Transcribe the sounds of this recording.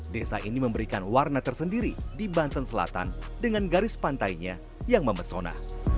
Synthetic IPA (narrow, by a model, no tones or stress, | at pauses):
desa̰ʔiniməmbəɾikanwarnat̪ərsəndiɾidibant̪ənsəla̰t̪a̰n | dəŋanɡaɾɪspant̪ajɲa | jaŋməməsona̰h